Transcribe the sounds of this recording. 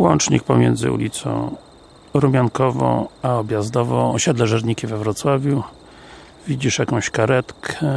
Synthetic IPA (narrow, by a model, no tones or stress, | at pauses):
wɔnt͡ʂɲḭk̚pɔmʲjɛ̰nd̪zɘ̰ṵlʲit̪sɔ̰̃w̃ | ɾumʲjankɔvɔ̰̃w̃aɔbʲjazd̪ɔvɔ̃wɔɕɛd̪lɛʐɛɾɲikʲivɛvɾɔt̪swavʲju | vʲid͡ʑiʂjakɔ̃w̃ɕkaɾɛt̪kʰɛ